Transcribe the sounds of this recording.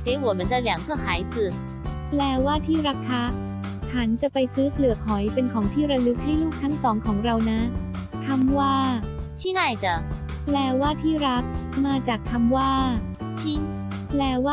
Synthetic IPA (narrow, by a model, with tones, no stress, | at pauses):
ke˨˦wɔ˨˩mə˦nd̪ə˧li˨˩˦ŋsʰɯ˥˩haː˨˩˦jt͡sɯ˨˩ | plɛː˧waː˥˩t̪ʰiː˥˩ɾa˦˥kʰːa˦˥ | t͡ɕʰa˦˥nt͡ɕa˨˩pa˧jsɯː˦˥klɯ˨˩əkʰːɔ˩˦jpe˧nkʰɔː˩˦ŋt̪ʰiː˥˩ɾa˧lɯ˦˥k̚ha˥˩jluː˥˩k̚t̪ʰa˦˥ŋsɔː˩˦ŋkʰɔː˩˦ŋɾa˧wna˦˥ | k̪ʰa˧mwaː˥˩t͡ɕʰi˥ŋa˥˩jd̪ə˧˩ | plɛː˧waː˥˩t̪ʰiː˥˩ɾa˦˥k̚maː˧t͡ɕaː˨˩kʰːa˧mwaː˥˩ | t͡ɕʰi˦˥ŋ | plɛː˧waː˥˩